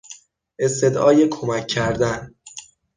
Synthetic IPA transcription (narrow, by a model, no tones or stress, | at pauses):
ʔe̞st̪e̞d̪ʔɒːjekʰo̞mæcʰːæɾd̪æn